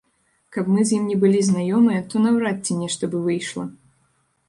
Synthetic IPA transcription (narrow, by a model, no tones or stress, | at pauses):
kɐpmɨzʲjimnʲɛbɨlʲiznajɔmɨjɐt̪ɔnɐwɾat̪ʲːɛnʲɛʂt̪ɐbɨvɨjʂlˠɐ